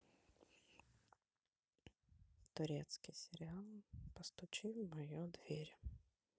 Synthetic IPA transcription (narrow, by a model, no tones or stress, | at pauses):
t̪ʊɾʲɛt̪skɪjsʲeɾʲɪalˠpɔst̪ʊt͡ʃɪwmɔjud̪ʋʲiɾʲ